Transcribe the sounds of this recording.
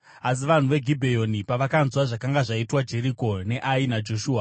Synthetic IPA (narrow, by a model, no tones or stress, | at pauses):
as̬iʋan̤uʋe̞ɡʱibʱejo̞nipaʋakanzwaʐakaŋɡaʐaitwad͡ʒe̞ɾiko̞ne̞ʔainad͡ʒo̞ʃuːa